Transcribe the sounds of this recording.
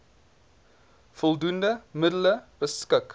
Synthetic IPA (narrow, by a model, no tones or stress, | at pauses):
fɔlˠdundəmədələb̥əskək